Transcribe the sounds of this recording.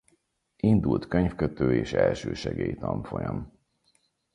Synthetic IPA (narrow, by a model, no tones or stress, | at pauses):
ind̪ult̪køɲfkøt̪øːeːʃɛlʃøːʃɛɡeːjt̪ɒɱfo̞jɒm